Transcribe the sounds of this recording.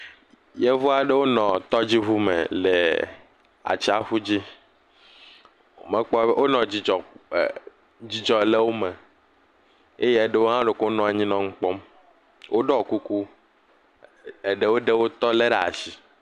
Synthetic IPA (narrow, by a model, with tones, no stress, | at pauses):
je˦vu˦a˨ɖe˦wo˦nɔ̃˨t̪ɔ˦d͡ʑi˦ɦu˦mḛ˨le˨ | a̰˨t͡ɕi˦a˦ɸu˦d͡ʑi˦˨ | mẽ˦k͡pɔ˦wo˦nɔ̃˨d͡ʑi˨d͡ʒɔ˨ | d͡ʑi˦d͡ʒɔ˨le˦wo˦me˨ | e˦je˦e˨ɖe˦wo˦ã˦ɖe˨ko˦o˦nɔ̃˨a˨ɲĩ˦nɔ̃˦ŋ̩˦k͡pɔ˦m | wo˦ɖɔ˨ku˦ku˦ | e˨ɖe˦wo˦ɖe˦wo˦t̪ɔ˦le˦ɖa˨a˨si˨